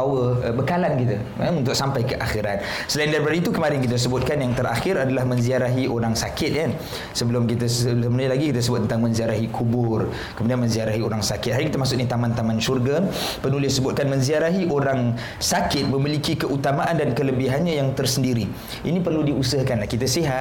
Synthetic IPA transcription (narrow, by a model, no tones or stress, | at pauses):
awəbəkalankit̪ə | unt̪ʊk̚sampajkəʔaxiɾat̪̚ | səlaɪndaɾipadait̪ukəmaɾɪnkit̪̬əs̬əbʊt̪̚kanjaŋt̪əɾʔa̰xɪɾadalahmə̃nziaɾaɦiʔoɾaŋsakɪt̪̚jan | səbəlʊmkit̪əsəəmnulaɡikit̪əs̬əbʊt̪̚ːənt̪aŋmənziaɾaɦikʰubʊr | kəmudianmə̃nziaɾaɦioɾaŋsakɪt̪̚ɦaɾikit̪əmas̬ʊk̚nit̪amãnt̪amanʃurɡa | pənulɪsːəbʊt̪̚kanmə̃nziaɾaɦiʔoɾaŋ | sakɪt̪̚məmilikikəʔut̪amaʔandankələbiɦanɲajaŋt̪ərsəndiɾi | ʔinipərludiusəhkanlahkit̪asiɦa